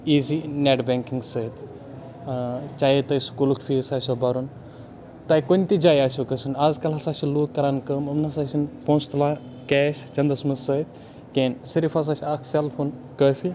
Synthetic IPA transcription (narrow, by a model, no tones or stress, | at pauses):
iːzineːʈbeːŋkiŋɡsəːt̪ | t͡ʃaːjet̪ɐskulukʰfʰiːsaːsʲobɐɾun | t̪aːjkonʲt̪id͡ʒaːjaːsʲokəsunaːzkɐlɦɐsaːʃiluːkkːɐɾaːnkəːmɐmnɐsaːsinpõːst̪laː | kɛːʃt͡ʃɐnd̪ɐsmɐsəːt̪ | keːnsiɾifɐs̬aːʃiaːkʰselfʰoːn | kəːfi